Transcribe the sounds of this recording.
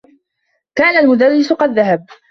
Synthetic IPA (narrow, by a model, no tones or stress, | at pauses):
kaːnalmʊd̪arːɪsʊqɑd̪ːaɦab̚